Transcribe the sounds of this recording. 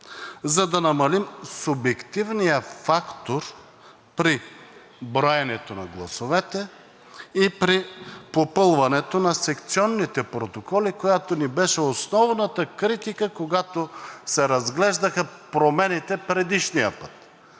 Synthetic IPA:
zɐd̪ɐnɐmɐlimsʊbjɛkt̪ivnijəfakt̪oɾ | pɾi | bɾɔjɛnɛt̪onɐ̰ɡlˠɐ̰sovɛt̪ɛ | ipɾipopɤlˠvɐnɛt̪onɐsɛkt̪siɔnːit̪ɛpɾot̪okɔlikojat̪onibɛʃɛosnɔvnət̪əkɾit̪ikəkoɡat̪osɛɾɐzɡlɛʒd̪ɐxɐpɾomɛnit̪ɛpɾɛd̪iʃnijə̰pə̥t̪

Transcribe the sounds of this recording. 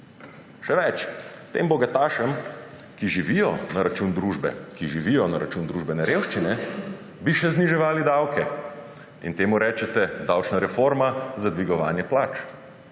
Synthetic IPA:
ʃɛʋɛt͡ʃt̪ḛːmbɔɡat̪aːʃəm | kiʒiʋijɔnaɾat͡ʃuːnd̪ɾuːʒbɛ̰kiʒiʋijɔnaɾa̰t͡ʃuːnd̪ɾuːʒbɛnɛɾeːwʃt͡ʃinɛ | biʃɛzniʒɛʋaːlid̪awkɛ | ḭnt̪eːmuɾɛːt͡ʃɛt̪ɛd̪awt͡ʃnaɾɛfoːɾmazad̪ʋiɡɔʋaːnjɛplaːt͡ʃ

